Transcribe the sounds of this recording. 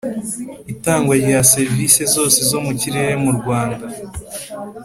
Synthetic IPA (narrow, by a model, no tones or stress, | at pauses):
itaːŋɡwajejase̞ɾvisezo̞ːsezo̞muciɾe̞ɾe̞muɾɡwaːnda